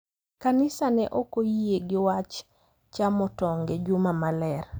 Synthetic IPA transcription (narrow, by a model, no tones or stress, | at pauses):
kanɪsanɛʔokojieɡɪwat͡ʃ | t͡ʃamɔtɔŋɡɛd͡ʒumamalɛr